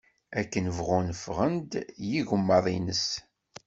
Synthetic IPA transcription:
ækːənəvʁʊnfʁənd̪jiʝəmːɑðˤinəs

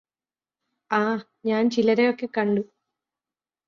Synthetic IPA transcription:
aː | ɲaːnt͡ɕilɐɾejokːe̞kɐɳɖu

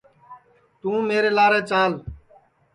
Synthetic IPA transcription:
t̪ũːmeːɾeːlaːɾeːt͡ʃaːl

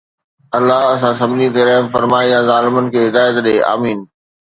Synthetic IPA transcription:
ɐlːaɦɐs̬ãsɐbʱnĩt̪eɾɐɦmfɐɾmaːijãzaːlɪmənɪ̆kʰeːɦɪd̪aːjət̪ɗeːʔa̰ːmiːn

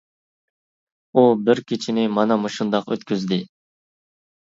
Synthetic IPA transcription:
ubɪɾkʲʰit͡ʃʰinɪmɑnɑmuʃund̪ɑqø̰t̪kʲyzd̪ɪ

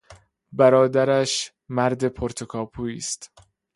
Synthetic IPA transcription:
bæɾɒːd̪æɾæʃ | mæɾd̪e̞pʰoɾt̪ʰokʰɒːpʰuːiːst̪

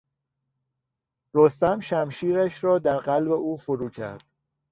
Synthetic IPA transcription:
ɾost̪æmʃæmʃiːɾæʃɾɒːd̪æɾɢælbe̞uːfoɾuːcʰæ̰ɾd̪̥

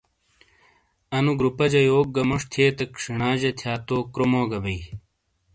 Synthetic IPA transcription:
ɐnuɡɾupɐd͡ʑɐjoːk̚ɡɐmoʂt̪ʰeːt̪ɐkʂiɳaːd͡ʑet̪ʰjaːt̪oːkɾomoːɡɐbɐi

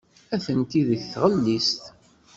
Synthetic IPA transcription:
æθənt̪iðəçθʁəlːist̪

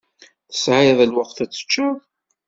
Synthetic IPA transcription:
θə̥sʕajðˤəlwəqθæt͡sːə̥t͡ʃːʊð

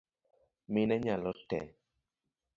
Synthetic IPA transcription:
mɪnɛɲalɔtɛ̰

